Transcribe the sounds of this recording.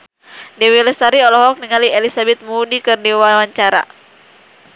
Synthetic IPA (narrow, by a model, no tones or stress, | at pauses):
dɛwilɛsaɾiɔlɔɦɔk̚niŋalielisabɛt̪̚mudikɨrdiwaaɲt͡ʃaɾa̰